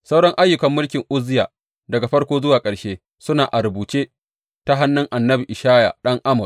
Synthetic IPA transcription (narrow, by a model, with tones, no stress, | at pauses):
sa˦wɽɐ˦ŋʔa˦jːʊ˨kɐ˨mːʊ˦lkʲɪ˨ŋʔʊ˦zɪ˦jaː˨ | dɐ˨ɡa˨ɸɐ˦rkʷoː˦zʊ˦waː˨kʼɐ˨ɽʃeː˦ | sʊ˦naː˨ʔa˨ɾʊ˨buː˨t͡ʃeː˦ | ta˦ɦa˦nːɪ˦ŋʔa˨nːɐ˦bi˨ʔɪ˨ʃaː˦ja̰˨ɗɐ˦ŋʔa˦mʊ˨r